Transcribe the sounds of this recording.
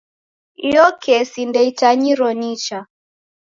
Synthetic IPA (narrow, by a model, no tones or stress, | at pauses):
jɔkʰɛsindɛitaɲiɾɔnit͡ʃa